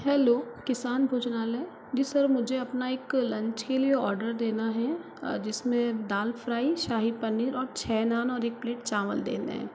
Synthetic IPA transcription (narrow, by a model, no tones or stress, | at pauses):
hɛːloːkɪsaːnbʱoːt͡ʃnaːlɛ̃ː | d͡ʒisɐɾmʊd͡ʒʱeɐpnaeːklɐ̃ɲt͡ʃkelieɔːɾɖəɾd̪eːnaɦɛ | d͡ʒɪsmẽd̪aːlfɾaːiʃaːɦipɐnːiɾɔːɾt͡ʃʰɛːnaːnɔːɾeːk̚pleːʈt͡ʃaːməld̪ḛːnḛɦɛ̰̃ː